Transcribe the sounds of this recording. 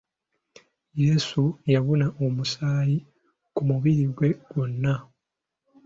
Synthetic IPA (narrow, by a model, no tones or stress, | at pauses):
jeːsujaβunaʔomusaːji | kumuβiɾiɡwe̞ɡ̥wonːa